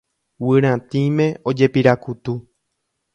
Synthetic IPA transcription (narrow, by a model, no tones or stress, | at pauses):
wɨɾ̃ãt̪ĩmẽ̞o̞d͡ʒe̞piɾakut̪u